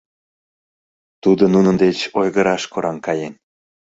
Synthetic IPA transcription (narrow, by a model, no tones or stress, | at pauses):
t̪ud̪ənunənd̪et͡ɕojɣəɾɑʃkoɾɑnkɑjen